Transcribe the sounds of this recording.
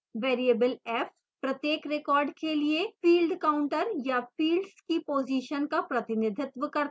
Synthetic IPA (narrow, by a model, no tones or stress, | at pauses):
ʋeːɾiebəlɛːf | pɾɐt̪jeːkɾekɔːɾɖkeliefiːlɖkaːʊ̃ɳʈəɾjafiːlɖskipoːziːʃənkapɾɐt̪ɪnɪd̪ʱɪt̪ʋəkɐɾt̪